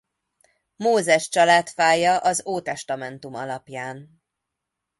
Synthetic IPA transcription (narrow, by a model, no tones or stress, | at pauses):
moːzɛʃt͡ʃɒlaːt̪faːjɒʔɒzoːt̪ɛʃt̪ɒmɛnt̪umɒ̰lɒpjaːn